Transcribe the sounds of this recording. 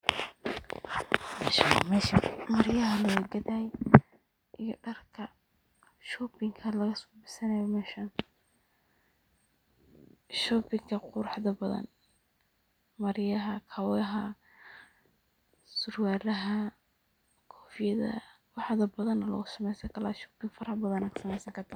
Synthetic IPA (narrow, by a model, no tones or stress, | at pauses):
mɛʃɐmɛʃmɐɾjjɐɦɐlɔwɡɐðaːj | ʔijɔɖɐrkʰɐ | ʃɔbɪŋkʰɐlɐɣɐsɔbɪsɐnɐjɔmɛːʃɐn | ʃɔpɪŋkʰɐqʊɾħðɐbɐðɐ̰n | mɐɾjɐɦɐkʰɐwɐɦɐ | sʊrwaːɾɐɦɐ | kʰɔ̥ːfjɐðɐ̰ | wɑħðɐbɐðɐnːɐlɐ̰ɣʊsɐmɛjsɐkʰɐlaːʃɔːpɪŋfɐɾɐbɐðɐnɐksɐmɛjsɐŋkʰɐt̪ʰɐ